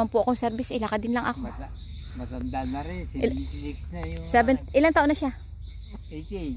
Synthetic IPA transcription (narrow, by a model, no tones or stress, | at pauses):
ɐnpʊʔɐkoŋsɛɾbɪsʔɪlakad̪ɪnlaŋʔɐko | mɐt̪ɐnd̪aɐɾɛliksnɐsɛbɛnʔɪlaŋt̪aːʔonɐʃa